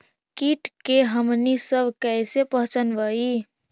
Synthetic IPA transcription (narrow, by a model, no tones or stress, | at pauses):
kiʈkeɦəmnisəbʱkɛjsepəɦt͡ʃənbəi